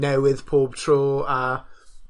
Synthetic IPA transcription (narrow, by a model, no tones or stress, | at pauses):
nɛwɪð̥pʰoːb̥̚tʰroːa